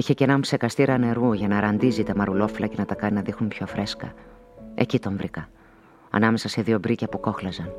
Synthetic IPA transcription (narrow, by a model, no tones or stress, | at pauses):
içe̞cenɐmpse̞kɐst̪iɾɐne̞ɾuʝɐnɐɾɐnd̪izit̪emɐɾulo̞filɐce̞nɐt̪ɐkɐninɐðixnumpço̞fɾʔe̞skɐ̰ | e̞̰cit̪o̞ɱvɾikɐ | ɐ̰nɐme̞sɐse̞ðio̞bɾicɐpuko̞xlɐzɐn